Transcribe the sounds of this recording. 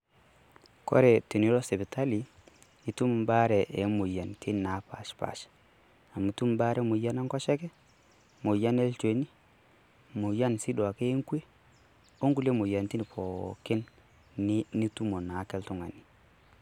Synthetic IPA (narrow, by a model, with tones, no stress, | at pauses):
kɔ̰˦ɾɛ˨te˨ni˦ɾɔ˦sɛ˨bi˨ta˦li˨ | i˦tu˦m˨mba˦ɾɛ˨ʔe˨˦mu˨ja˨ntʰi˦n˨na˨˦pa̰˨ʃpa̰˨ʃ | a˨mu˨˦tu˦m˦ba˦ɾʔɛ˦mu˨ja˦na˦ŋkɔ˦ʃɛ˦kɛ˦ | mo˨ja˦nɛ˦lt͡ʃe˨ni˦ | mu˨ja˦nsi˦dwa˨ke˦ŋkwe˦ | o˦ŋɡu˦le˦mu˨ja˨nti˦n˨pʰɔ˨ke˦n˦ | ni˦tu˦mo˨na˨˦kɛ˦ltu˦ŋa˨ni˨